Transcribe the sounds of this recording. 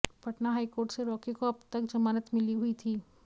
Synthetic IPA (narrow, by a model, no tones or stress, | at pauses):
pɐʈnaɦaːikoːɾʈseɾɔːkekoɐbt̪ɐkd͡ʒɐmaːɾət̪mɪliɦʊit̪ʰiː